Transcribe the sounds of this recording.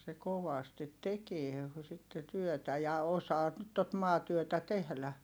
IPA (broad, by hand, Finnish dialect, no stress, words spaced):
se koʋɑstit tekie sitːe tyøtæ jɑ osɑː tot mɑːtyøtæ tehlæ